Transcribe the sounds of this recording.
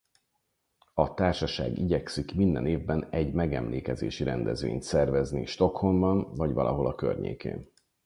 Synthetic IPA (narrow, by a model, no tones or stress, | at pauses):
ɒt̪aːrʃɒʃa̰ːɡiɟɛksikmind̪ɛneːvbɛnɛɟmɛɡɛmleːkɛzḛːʃiɾɛnd̪ɛzvḛːɲt̪sɛrvɛzniʃt̪o̞kho̞mbɒnvɒɟvɒlʔɒ̰ɦo̞lɒkø̰rɲḛːkḛːn